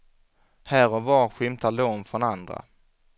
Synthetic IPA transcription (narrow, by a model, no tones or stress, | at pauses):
hæːɾɔvɑːɾɧɪmt̪ʰaloːnfɾɔnand̪ɾa̰